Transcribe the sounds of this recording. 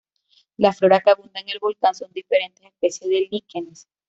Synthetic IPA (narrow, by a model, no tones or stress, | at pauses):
laflo̞ɾakaβund̪aeŋe̞lβo̞lkanso̞nd̪ife̞ɾe̞nt̪esespesjeðelikenes